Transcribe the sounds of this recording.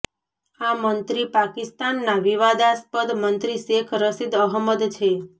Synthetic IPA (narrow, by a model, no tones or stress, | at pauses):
amənt̪ɾipakist̪anːaʋiʋad̪aspəd̪mənt̪ɾiʃekʰɾəsid̪əɦməd̪t͡ʃʰe